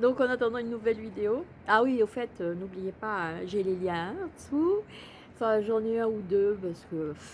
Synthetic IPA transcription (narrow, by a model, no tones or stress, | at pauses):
d̪ɔ̃kɑ̃nat̪ɑ̃d̪ɑ̃ynːuvɛlvid̪eo | awiofɛt̪ønublijepãʒɛleljɛ̃t̪u | fɛʒɑ̃nɛɛ̃ud̪øpaʁsə̥kə